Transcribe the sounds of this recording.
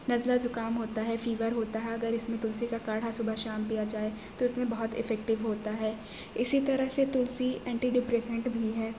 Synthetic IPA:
nɐzlazʊkaːmɦoːt̪aɦɛfiːʋəɾɦoːt̪aɦɛɐɡəɾɪsmẽt̪ʊlsikakaːɽ̤asʊbʱəɦʃaːmpijad͡ʒaːe | t̪oɪsmẽbɐɦʊt̪ɪ̰fɛːk̚ʈɪʋɦoːt̪aɦɛː | ɪsit̪ɐɾəɦset̪ʊlsiɛ̃ːɳʈiɖɪpɾeːsə̃ɳʈbʱiɦɛː

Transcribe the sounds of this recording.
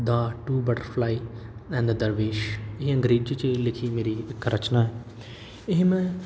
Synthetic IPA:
d̪aːʈuːbəʈəɾfʰlaːiɛ̃nd̪d̪əɾʋeːʃɪɦiə̃ŋɡɾiːd͡ʒt͡ʃelɪkʰimeːɾiɪkɾʔɐt͡ʃnaːɛ | ɪɦmɛ̃

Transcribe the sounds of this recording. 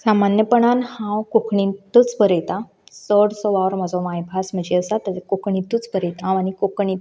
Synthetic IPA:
samanjəpəɳanhãwkokʰɳĩt̪ut͡sbəɾet̪ã | səɽsoʋaʋɾm̤ad͡zomajbʱasməd͡ʑiəsat̪əekokɳĩt̪ut͡sbəɾet̪ãanikokɳĩ

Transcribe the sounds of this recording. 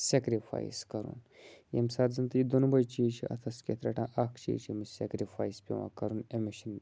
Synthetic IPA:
sekɾifʰa̰jiskɐɾṵnjḛmsaːɾzɨnt̪ɨjid̪onubɐjt͡ʃiːt͡ʃʰḭʔɐ̰t̪ʰɐskʲet̪ʰɾɐʈãːʔakʰt͡ʃʰḭːt͡ʃʰimisḛkɾifaːjspʲḭʋã̰ːkɐɾunemiʃən

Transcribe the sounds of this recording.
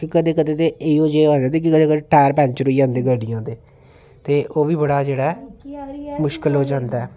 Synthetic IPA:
kɪkəd̪eːkəd̪eːt̪eeiːoːd͡ʒeːoːd͡ʒãːnd̪eːk̬ɪkəd̪eːkəd̪eʈɛːɾpɛ̃ːɲt͡ʃəɾoiːd͡ʒãːnd̪eːɡəɖɪjãːd̪eː | t̪eːʔoːʋiːbəɽaːd͡ʒeːɽaɛ | mʊʃkɪlɦoːd͡ʒãːnd̪aːɛː

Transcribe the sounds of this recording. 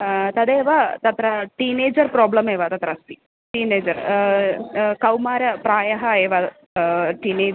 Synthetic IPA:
t̪ɐd̪eːʋat̪ɐt̪ɾɐʈiːneːd͡ʒɐɾpɾoːblɐmeːʋat̪ɐt̪ɾɐst̪i | ʈiːneːd͡ʒɐɾ | kɐwmaːɾɐpɾaːjɐɦɐeːʋa | ʈiːneː

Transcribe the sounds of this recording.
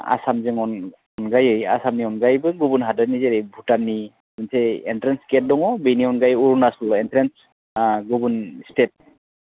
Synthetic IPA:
a̰samzɛŋɔn | ɔnɡajɯja̰samniɔnɡajbɯɡubunɦadanizɛɾejbʱutanːi | mɯnsʰɛɛntɹɛnskɛt̚dɔŋɔbejniɔnɡajuɹunasɔlɛntɹɛns | ɡubunstet̚

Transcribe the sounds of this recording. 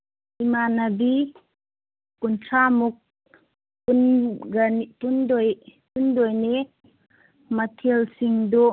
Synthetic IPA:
ʔimanabi | kuntʰamuk̚ː | unɡanitundɔjtundɔjne | mɐt̪ʰilsiŋdu

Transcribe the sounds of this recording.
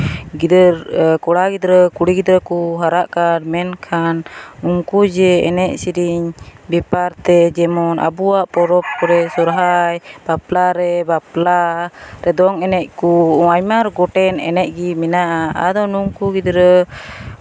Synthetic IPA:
ɡid̪əɾkɔɽaɡid̪ɾəkuɽiɡid̪ɾəkuɦaɾaʔkaɾmɛnkʰanuŋkud͡ʒɛɛnɛʔsiɾiɲbɛpaɾt̪ɛd͡ʒɛmɔnʔa̰buwaʔpɔɾɔp̚kɔɾɛsɔɾɦajb̥aplaɾɛbaplaɾɛd̪ɔŋɛnɛc̚kuajmaɾɡɔʈɛnɛ̰nɛʔ̚ɡiminaʔaa̰d̪ɔnuŋkuɡid̪ɾə

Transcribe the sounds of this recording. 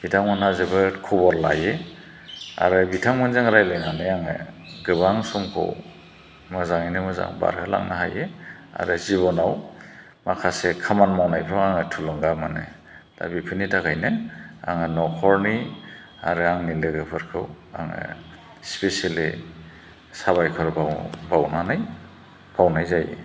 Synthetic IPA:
hidaŋmanazebɯkʰɔbɔɾlaje | a̰ɾɯbitʰaŋmɯnzɯŋɾajleŋanɯaŋɯ̰ | ɡɯbaŋsɔmkʰɯ̰w | mɯzaŋinɯmɯza̰ŋba̰ɾhɯla̰ŋnaɦajea̰ɾɯziβɔnaw | makʰasekʰamanmawnajpʰɾɔŋaŋɯtʰulɯŋɡamanɯ̰ | d̥a̰bipʰɯnidaɡajnɯa̰ŋɯnɔkʰɔɾni | aɾɯaŋnilɯɡɯpʰɯɾkʰɯw | a̰ŋɯ̰ | spesali | saβajkʰɔɾbabawnanaj | b̥awnajzaj̰

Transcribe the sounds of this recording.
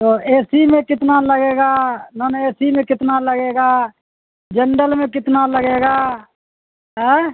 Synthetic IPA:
t̪oeːsimẽkɪt̪naləɡeːɡanəneːsimẽkɪt̪naləɡeːɡa | d͡ʒəɳɖəlmẽkɪt̪naləɡeːɡa | ɦɛ̃ː

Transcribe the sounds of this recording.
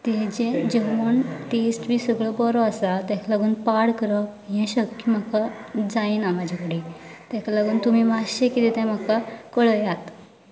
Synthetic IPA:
t̪ɛd͡ʑɛ̃d͡ʑeʋuɳʈesʈbiːsəɡɭəbɔɾɔasat̪ɛ̃kalaɡuːnpaɽkəɾək | jɛ̃ɕəkkkim̤akad͡zaiːnamad͡ʑʱakəɽit̪ɛ̃kalaɡuːnt̪umiːmaɕekit̪ɛt̪ɛ̃m̤akakəɭəjat̪

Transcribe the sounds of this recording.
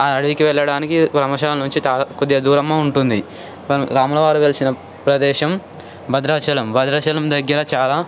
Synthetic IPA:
aɐɽuʋikiʋɛɭːɐɽaːnikiʋɾɐmɐʃaːlɐnuɲt͡ʃit͡ʃakud̪jɐd̪uːɾɐmːaːuɳʈund̪i | ɐɾaːmulɐʋaːɾuʋelisinɐ | pɾɐd̪ɛːʃɐm | bʱɐd̪ɾaːt͡ʃɐlɐmbʱɐd̪ɾɐːt͡ʃɐlɐmd̪ɐɡːɐɾɐt͡ʃaːlaː

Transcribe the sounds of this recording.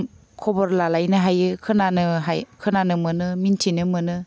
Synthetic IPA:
kʰɔbɔɾlalajnɯɦajɯkʰɯnanɯɦajkʰɯnanɯmɯnɯmintʰinɯmɯnɯ

